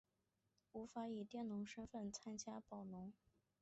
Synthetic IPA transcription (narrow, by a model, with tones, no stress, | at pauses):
u˧˥fa˧˥i˨˩t̪jɛ˥˩nnʊ˧˥ŋʂə˥nfə˥˩nt͡sʰa˥nt͡ɕja˥pɑ˨˩ʊnʊ˧˥ŋ